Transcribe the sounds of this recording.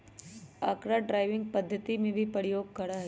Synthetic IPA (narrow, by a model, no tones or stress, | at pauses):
aːkɾaɖɾaːɪʋɪ̃ŋɡ̚pɐd̪ʱːət̪imẽbʱipəɾɪjoːɡ̚kɐɽaɦɛ